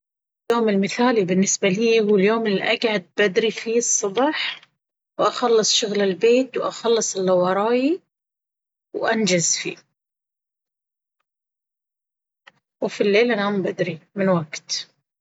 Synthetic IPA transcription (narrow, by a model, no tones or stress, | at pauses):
ɪljoːmɪlmɪθaːlibɪnːɪsbaliːhuːljoːmɪlːiʔaɡʕad̪̚bad̪ɾifiːsˤːɑbɑħ | wʔɑxɑlːɨsˤʃʊɣlɪlbeːt̪wʔa̰xɑlːɨsˤɪlːɑwɑɾˤɑːji | wʔand͡ʒazfḭː | wfilːeːlʔanambad̪ɾimɪnwaɡt̪